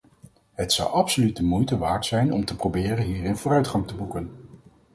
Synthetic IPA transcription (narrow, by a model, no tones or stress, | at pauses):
ɦətsɑ̰wʔɑpsolytəmujtəʋaːɹtsɛjnɔmtəprobɪːrənɦiːrɪnvʊːrœɥtχɑŋtəbukən